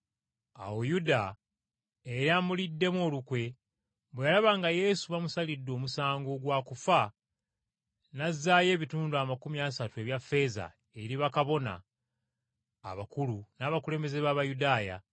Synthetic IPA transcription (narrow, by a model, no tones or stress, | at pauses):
a̰wojuda | eɾaːmulidːe̞moːlukwe̞ | bwejalaβaŋɡaje̞suβamusalidːo̞ːmusaːŋɡo̞ɡwaːkufa | nazːaːje̞ːβituːnduamakumiasatue̞βjafːe̞za̰ | eɾiβakaβo̞na̰ | βakulunaːβakule̞ːmbe̞ze̞βaːβajudaːja̰